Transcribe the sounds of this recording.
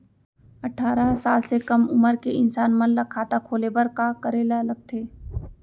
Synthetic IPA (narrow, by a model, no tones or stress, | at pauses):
ɐʈʰaːɾəsaːlsekɐmʊməɾkeɪnsaːnmɐllɐkʰaːt̪akʰoːlebəɾkakəɾeːlalɐɡ̚t̪ʰeː